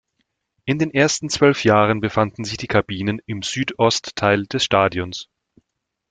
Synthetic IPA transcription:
ʔɪndeːnʔeːɐstn̩t͡sv̥œlfjaːʁ̞ənbəfandn̩zɪçd̥iːkʰabiːnənɪmzyːtʔɔstʰːaɪld̥ɛsʃtaːdjɔns

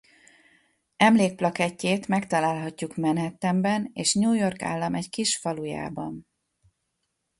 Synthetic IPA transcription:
ɛmleːk̚plɒkɛcːeːt̪mɛkt̪ɒlaːlɦɒcːukmɛnɛt̪ːɛmbɛneːʃɲuːjo̞rka̰ːlːɒmɛckiʃfɒluja̰ːbɒ̰n

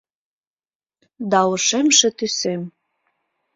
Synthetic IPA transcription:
d̪ɑwɤ̆ʃemʃĕt̪ysem

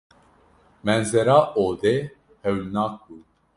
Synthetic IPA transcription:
mɛnzɛɾaːʔoːd̪eː | hɛwlnaːk̚buː

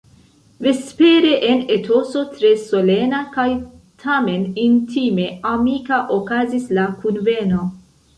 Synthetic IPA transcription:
ve̞spe̞ɾe̞ʔene̞tʰo̞so̞tɾe̞so̞le̞nakaj | tʰame̞nintime̞amikaʔokazislakunve̞no̞

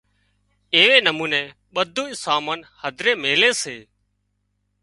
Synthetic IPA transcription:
eːʋeːnəmũːnẽː | ɓəd̪ʱuːɪsaːmənhəd̪ʱɾeːmeːleːseː

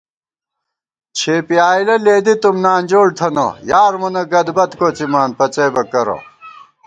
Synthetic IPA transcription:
t͡ɕʰeːpiaːilɐleːd̪it̪umnaːnd͡ʑoːɽt̪ʰɐno̰jaːɾmunɐɡɐd̪bɐt̪koːt͡simaːnpɐt͡sɐjbɐkɐɾo̰

